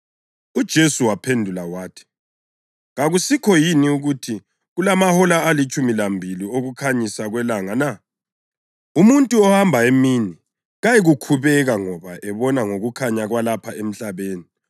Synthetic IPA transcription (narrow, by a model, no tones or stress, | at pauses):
ud̥ʒ̥ʱesuwapʰendʱulawaːtʰi̥ | ɣaɣusikʰɔjiniuɣutʰi | ɣulamahɔlaːlit͡ʃʼumilambʱilioɣukʰaɲisaɣwɛlaŋana | umuntʼuɔhambʱaemini | ɣajiɣukʰuβɛɣaŋɔβaʔɛβɔnaŋoɣukʰaɲaɣwalapʰaem̩ɬaβeːni